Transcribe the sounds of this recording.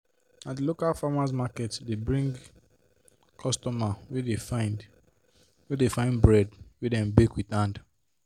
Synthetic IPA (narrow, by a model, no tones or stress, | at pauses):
adilokalfamas̬makɛtdebɹĩŋɡ | kʰɔstɔmawedefaɪnd | wedefãɪ̃nbɹɛdwedɛ̃mbekwitãnd